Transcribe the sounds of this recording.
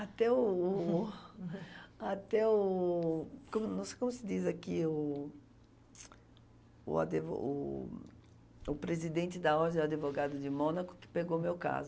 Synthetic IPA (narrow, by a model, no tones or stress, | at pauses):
at̪ɛʊ | at̪ɛʊ | kõmʊnɐ̃w̃sekõmʊsɪd̪izakiʊ | ʊ̰a̰d̪evo̰ʊ̰ | ʊpɾezid̪ẽnt͡ʃ̪ɪd̪ɐɔɾd̪ẽwad̪ɪvoɡad̪ʊd͡ʒɪmõnɐkʊ̥kɪ̥peɡowmewka̰zʊ